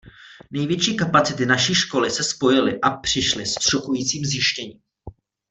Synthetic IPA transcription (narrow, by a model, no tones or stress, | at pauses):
nɛjvjɛt͡ʃiːkapat͡sɪt̪ɪnaʃiːʃko̞lɪsɛspo̞jɪlɪʔapr̝̥ɪʃlɪst̪rokujiːt͡siːmzjɪʃcɛɲiːm